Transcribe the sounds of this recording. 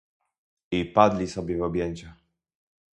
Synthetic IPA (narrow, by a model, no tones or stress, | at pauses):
ipad̪lʲisɔbʲjɛvɔbʲjeɲt͡ɕa